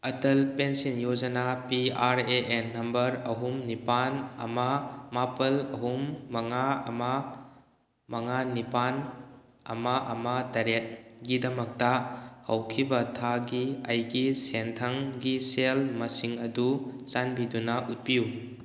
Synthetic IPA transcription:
ɐtɐlpensenjod͡ʒɐnapiaɾeʔenːɐmbɐɾɐɦumnipanɐ̰mɐmapɐlɐɦumːɐŋaɐmɐ | mɐŋanipan | ɐ̰mɐʔɐmɐtɐɾet̚ɡidɐmɐk̚tɐhɐwkʰibɐtʰaɡiɐjɡisentʰɐŋɡiselmɐsiŋɐdut͡ʃanbidunɐʔut̚piju

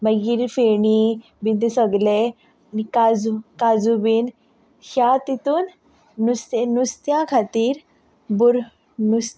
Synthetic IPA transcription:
məɡiɾfeɳi | bint̪esəɡle | nikad͡zukad͡zubin | hjat̪it̪uːnː | ust̪nust̪jãkʰat̪iːɾ | buɾ | nust̪

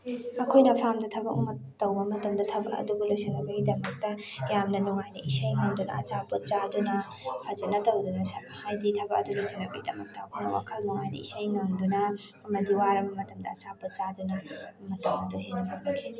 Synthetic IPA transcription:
ɐkʰojnɐpʰamdɐtʰɐbɐ̰kṵmɐtɐwbɐmɐtɐmdɐtʰɐbɐ̰kɐ̰dubulojsɐnɐbɐɡidɐmɐk̚tɐjamnɐnuŋajnɐʔisɐjŋɐŋdunɐ̰ɐ̰t͡ʃaput̚t͡ʃadunɐ | pʰazɐnɐtɐwdunɐshajditʰɐbɐk̚ɐ̰dulojsinɐbɐɡidɐ̰mɐ̰k̚tɐɐkʰojnɐ̰wa̰kʰɐlnuŋajnɐ̰ḭsɐjŋɐŋdunɐː | mɐdiwaɾɐbɐmɐtɐmdɐːt͡ʃaput̚t͡ʃadunɐmɐtɐmɐduɦenɐpʰabɐkʰi̥

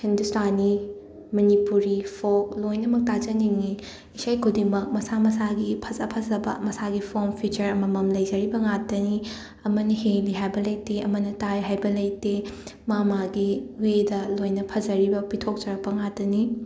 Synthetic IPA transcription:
hindustani | mɐnipuɾipʰok̚lojnɐmɐk̚tad͡ʒɐniŋi | isajkʰudiŋmɐk̚mɐsamɐsaɡipʰɐzɐpʰɐzɐbɐ̰mɐsaɡipʰompʰut͡ʃɐɾɐmɐmɐmlɐjzɐɾibɐŋatːɐni | ɐmɐnɐheŋliɦajbɐlɐjteɐmɐnɐtajɦajbɐlɐjte | mamaɡiuwedɐlojnɐpʰɐzɐɾibɐpitʰok̚d͡ʒɐɾɐk̚pɐŋatɐni

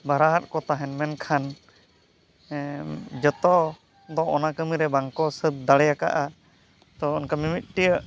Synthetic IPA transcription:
baɾaɦat̪̚kɔt̪aɦɛnmɛnkʰan | d͡ʒɔt̪ɔ | d̪ɔʔɔnakəmiɾɛbaŋkɔsət̪̚d̪aɽɛjaka̰ʔa | t̪ɔɔnkamimit̪̚ˀʈijəʔ

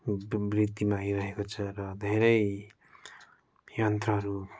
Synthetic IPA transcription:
brit̪ːimaːjɾʌɦekot͡sʰʌrʌd̪ʱeɾʌj | jʌnt̪rʌɦʌɾu

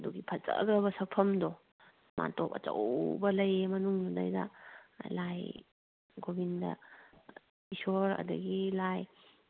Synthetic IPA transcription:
duɡipʰɐt͡ʃa̰ɡɾɐβɐsɐk̚pʰɐmdɔ | mʔa̰ntopɐ̰tɐ̰wbɐlɐjemɐnuŋduna̰jdɐ̰laj | ɡobindɐ̰ | isoɾɐ̰dɐɡilaj

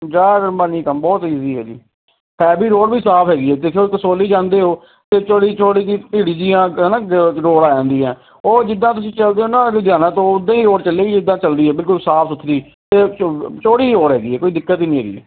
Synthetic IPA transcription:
d͡ʒaːɾmaːniːkəmbɔːt̪iːziːɦɛːd͡ʒḭː | pʰɛːbiːɾoːɽbiːsaːpʰɦɛːɡiːɛːt̪eːkʰeok̪əsoːliːd͡ʒãːnd̪eːɦoː | t̪eːt͡ʃoːɽiːt͡ʃʰoːɽiːd͡ʒipiːɽiːd͡ʒiːãːɦnãːɾoːɽaːd͡ʒãːnd̪iːɛ̃ː | oːd͡ʒɪd̪ːãːt̪ʊsĩːt͡ʃəld̪eːonãːd̪jaːnãːt̪õːʊd̪ãːiːɾoːɽt͡ʃəlːeːɡiːd͡ʒɪd̪ːãːt͡ʃəld̪iːɦɛːbɪlkʊlsaːpʰsʊt̪ʰːd̪iː | t̪eːt͡ʃoːɽiːɾoːɽɦɛːɡiːɦɛːkoːiːd̪ɪkːət̪iːnĩːɦɛːɡḭɦɛ̰ː

